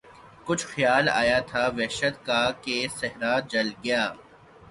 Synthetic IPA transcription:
kʊt͡ʃʰxjaːla̰ːjat̪ʰaːʋɛɦʃəd̪kakesɛɦɾaːd͡ʒɐlɡɪjaː

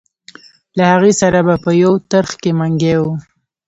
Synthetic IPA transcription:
lahaɣesaɾabapəjawt̪aɾxkemaŋɡew

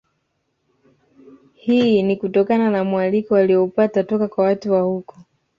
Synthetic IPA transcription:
hinikutɔkananamwalikɔwaliɔupatatɔkakwawatuwahukɔ̥

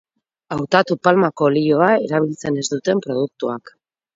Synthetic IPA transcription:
awt̪at̪upalmako̞lioaeɾaβ̞ilt͡se̞ne̞zd̪ut̪e̞mpɾo̞ð̞uk̚t̪uak

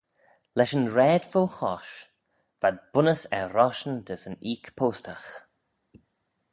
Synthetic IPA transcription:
lɛʃənɹɛːd̪foxɔ̰ʃ | vad̪̚b̥ʊnəsɛɾɔʃənd̪əsəniːkpʰoːstʰax

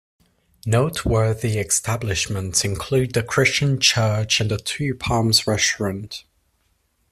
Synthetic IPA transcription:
noʊʔʰwɜːðiɛkstablɪʃmə̃ntʰɪ̃nkʰl̥ʉːdðəkʰɹ̥ɪst͡ʃə̃nt͡ʃʰɜˑt͡ʃə̃nətʰʉːpʰɑ̃ːmzɹɛstɹə̃nt

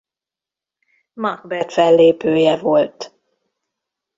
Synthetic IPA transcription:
mɑɡbɛt̪fɛlːeːpøːjɛvo̞lt̪

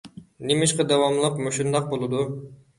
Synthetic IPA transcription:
nimiʃqɑd̪ɑwɑmlˠɑqmuʃund̪ɑq̚bolˠud̪u

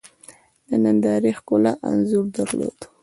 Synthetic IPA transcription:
d̪ənənd̪ɑɾixkʊlaʔa̰nzuɾd̪aɾlo̰d̪

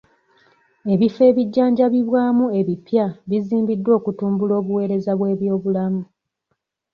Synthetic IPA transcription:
e̞βife̞ːβiɟːaːɲɟaβiβwaːmue̞βipjaβiziːmbidːwo̞ːkutuːmbulo̞ːβuwe̞ːɾe̞zaβwe̞ːβjo̞ːβulamu

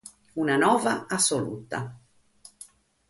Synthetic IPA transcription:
unanɔːvaasːolṵːt̪a̰

